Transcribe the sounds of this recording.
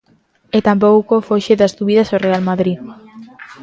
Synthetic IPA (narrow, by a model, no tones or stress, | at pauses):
et̪amp̬owkofoʃeðazðuβiðasorealmaðɾi